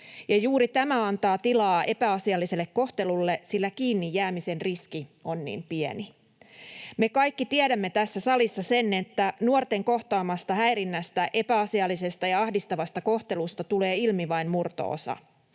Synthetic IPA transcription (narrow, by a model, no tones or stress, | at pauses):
jɑjuːɾit̪æmæɑnt̪ɑːt̪ilɑːʔe̞pæɑsiɑlːise̞lːekko̞ht̪e̞lulːe̞silːækiːnːijːæːmise̞nriskio̞nːḭːmpiḛni | me̞kɑjkːit̪iɛɾæmːet̪æsːæsɑlisːɑsene̞t̪ːænuort̪e̞ŋko̞ht̪ɑːmɑst̪ɑhæjɾinːæst̪æʔe̞pæɑsiɑlːise̞st̪ɑjɑɑhdist̪ɑʋɑst̪ɑko̞ht̪e̞lust̪ɑt̪ule̞ːilmiʋɑinmurt̪o̰ːo̰sɑ̰